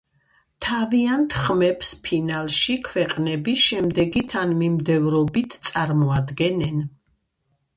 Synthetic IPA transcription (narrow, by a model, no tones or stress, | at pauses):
t̪ʰaviant̪ʰχmɛpspʰinalˠʃikʰwɛqʼnɛbiʃɛmd̪ɛɡit̪ʰanmimd̪ɛvɾɔbit̪ʰt̪sʼaɾmɔad̪ɡɛnɛn